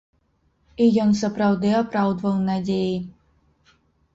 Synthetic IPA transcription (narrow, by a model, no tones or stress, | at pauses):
ijɔns̬ɐpɾɐwd̪ɨapɾawd̪vɐwnadʲeji